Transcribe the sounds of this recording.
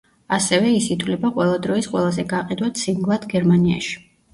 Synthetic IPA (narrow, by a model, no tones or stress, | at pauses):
asɛvɛisit̪ʰwlɛbaqʼwɛlˠad̪ɾɔisqʼwɛlˠazɛɡaqʼid̪wat̪sʰimɡlˠad̪ʰɡɛɾmania̰ʃi̥